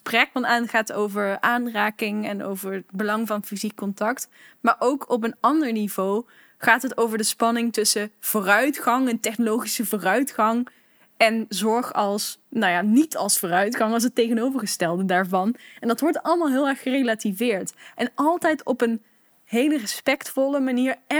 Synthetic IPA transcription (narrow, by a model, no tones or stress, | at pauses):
sprɛk̚fɑnaːnχaːtowvəɹaːnraːkɪŋɛno̰wvəɹd̚bəlɑŋvɑnfizikːɔntɑkt | maːɹʔowkʰɔp̬ənɑndəɹnivow | χaːtɦətowvəɹdəspɑnɪŋtɵsəv̥oːrœɥtχɑŋəntɛχnolowχisəvoːrœɥtχɑŋ | ɛnzɔɹχɑlˠsnawjanitɑ̰lˠsfoːrœɥtχɑŋɑlˠsətejχənowvəɹχəstɛlˠdədaːɹvɑnɛndɑtʋɔɹtɑləmaːlˠɦɪːlˠɛɹχχərejlativɪːɹtʔɛnɑlˠtɛjtɔpən | ɦejlərəspɛktfɔləmaniːɹɛ